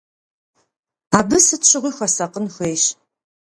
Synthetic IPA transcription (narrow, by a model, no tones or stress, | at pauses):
aːbɨsɨtɕɪʁʷiːxʷɐsɐqənxʷejɕ